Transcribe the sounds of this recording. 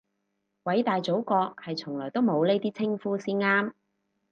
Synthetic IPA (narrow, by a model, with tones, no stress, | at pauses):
wɐ˨˥jt̪aː˨jt͡so˨˥wkɔː˧k̚hɐ˨jt͡sʰʊ˨˩ŋlɔː˨˩jt̪o˥wmo˨˧wle˥t̪iː˥t͡sʰɪ˥ŋfuː˥siː˥nŋaː˥m